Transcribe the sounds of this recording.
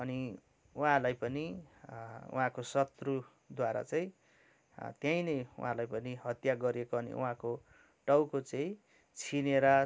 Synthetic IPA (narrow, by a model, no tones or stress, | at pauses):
ʌni | uɦãlajpʌni | ṵɦãkosʌt̪ru | d̪waɾa̰t͡saĩ | t̪jãĩnʌjṵɦãlajpʌniɦʌt̪jaɡʌɾekoʌnḭṵɦãko | ʈʌwkot͡saĩ | t͡sʰineɾʌ